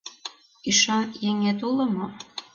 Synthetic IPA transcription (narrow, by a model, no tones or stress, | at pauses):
iʃɑnjeŋet̪ulɤ̆mo